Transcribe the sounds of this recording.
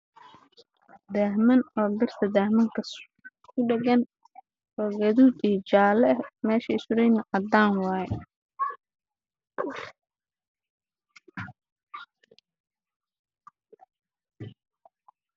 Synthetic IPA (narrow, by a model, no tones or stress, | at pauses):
d̪ahmɐnɔːb̪ɪrt̪ʰɐd̪aːhmɐŋkʰɐs | ʊɖɛɣɐn | ɔːɡɐðuːd̪iːt͡ʃaːlɛmɛːʃɐɪsʊɾɛjnɐʔɑd̪aːnwɑːjɛ